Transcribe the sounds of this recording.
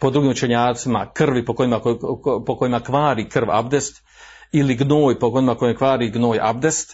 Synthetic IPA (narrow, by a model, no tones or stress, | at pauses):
po̞d̪ɾuɡiːmut͡ʃe̞ɲaːt̪sima̰kr̩ʋipokoimapokojimakʋaːɾiːkr̩ʋa̰bd̪e̞st̪ | iliɡnoːjpokoimakojemkʋaːɾiːɡno̞ːja̰bd̪e̞st̪